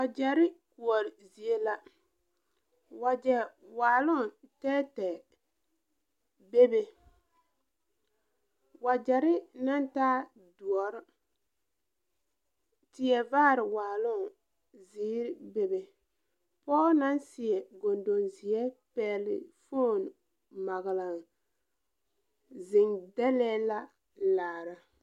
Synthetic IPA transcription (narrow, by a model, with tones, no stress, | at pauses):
wa˨d͡ʒɛ˨ɾɪ˦ku˨ɔ˨ɾzi˨e˦la˦ | wa˨d͡ʒɛ˨waː˨lʊ˦˨tɛː˦tɛ˨ | be˦be˨ | wa˨d͡ʒɛ˨ɾɪ˦na˦ntaː˦ | du˨ɔ˨ɾ | tɪ˦ɛ˨vaː˦˨ɾɪ˨waː˨lʊ˦ŋ | ziː˦ɾbe˨be˨ | pɔː˦na˦nsɪ˨ɛ˨ɡo˨ndo˨nzɪ˨ɛ˦pɛː˨lɪ̰˨fo˦˨n | ma˨ɣla˨ŋ | zɪ˨ŋdɛ˦lɛː˦la˦ | laː˨ɾa˨